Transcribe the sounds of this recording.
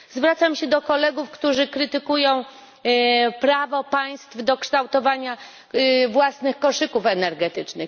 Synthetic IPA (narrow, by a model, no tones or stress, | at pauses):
zvɾat̪samɕɛd̪ɔkɔlɛɡufkt̪uʐɘkɾɘt̪ɘkujɔ̃w̃ | pɾavɔpaj̃st̪fd̪ɔkʂt̪awt̪ɔvaɲa | vwasnɘxkɔʂɘkufɛnɛɾɡɛt̪ɘt͡ʂnɘx